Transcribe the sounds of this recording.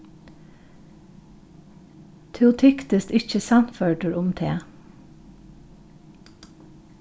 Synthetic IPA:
t̪ʰɛʊt̪ʰɪkt̪ɪst̪ɪçəsɑnføːɖəɹʊmt̪ʰeː

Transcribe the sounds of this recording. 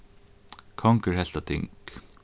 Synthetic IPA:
kʰɔŋkəɹhɛl̥t̪at̪ʰɪ̰ŋk

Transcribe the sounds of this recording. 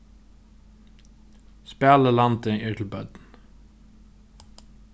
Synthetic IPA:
spæːləlɑnt̪əʔiːtʰl̩bœd̪n̩

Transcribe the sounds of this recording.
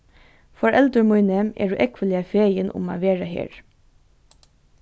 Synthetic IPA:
fɔɹʔɛld̪əmʊʏnɛmʔḛːɖʉ̰ːʔɛkʋəlɪɑfeːɾjənʔʊ̰mɑ̰ʋeːɹɑhḛːɹ

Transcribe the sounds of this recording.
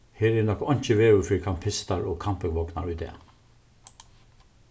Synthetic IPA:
heːɾeːnɔkɔnc͡çəʋeːɾʉːfiːkʰɑmpʰɪst̪ɑɹoːkʰɑmpəʋɔknɑ̰ɹʉːt̪ḛː

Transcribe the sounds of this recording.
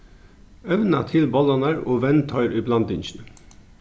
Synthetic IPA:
œʋnɑt̪ʰɪlbɔlɑnəɾoːʋɛnt̪ʰœʏɾʔiːblɑnd̪ɪnʃn̩

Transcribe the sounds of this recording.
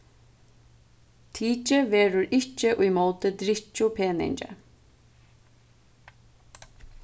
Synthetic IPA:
t̪ʰiːt͡ʃɪʋeːɾʊɹɪt͡ʃːɪʔʊjmoːwt̪ɪd̪ɾɪht͡ʃːʊpʰeːnɪ̰ɲt͡ʃə̰

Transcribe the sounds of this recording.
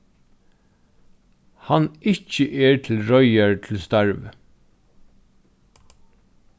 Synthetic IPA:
hanɪt͡ʃəʔɛɹt̪ʰɪlɹɔʏaɹt̪ʰɪlst̪aɹʋ

